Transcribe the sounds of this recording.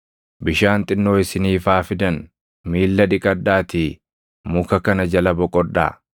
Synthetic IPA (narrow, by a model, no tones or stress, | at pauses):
bɪʃaːnt̪ʼɪnːo̞ːɪsɪniːfaːfɪd̪ɐn | miːlːɐᶑɪkʼɐd̪ːaːt̪ɪ | mʊkɐkɐnɐd͡ʒɐlɐbɔkʼɔᶑːa̰ː